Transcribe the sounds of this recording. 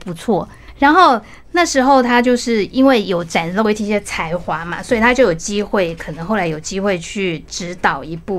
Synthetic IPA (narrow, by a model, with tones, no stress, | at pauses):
pu˧˥t͡sʰwɔ˥˩ | ɻa˧˥nxo˥˩ʊ | na˥˩ʂɻ̩˧˥xo˥˧ʊt̪ʰa˥t͡ɕjo˥˧ʊʂɻ̩˥˩i˥nwe˥˩ɪjo˨˥ʊʈ͡ʂa˨˩nlo˥˧˥t͡ɕʰɕjɛ˥t͡sʰa˧˥ɪxwa˧˥mɐ̰˨swɔ˧˥i˨˩t̪ʰa˥t͡ɕjo˥˩ʊjo˨˩ʊt͡ɕi˥xwe˥˩ɪkʰɤ˨˩nɤ˧˥ŋxo˥˩la˧˥ɪjo˨˩ʊt͡ɕi˥xwe˥˧ɪt͡ɕʰy˥˩ʈ͡ʂɻ̩˧˥t̪ɑ˨˩ʊi˧˥pu˥˩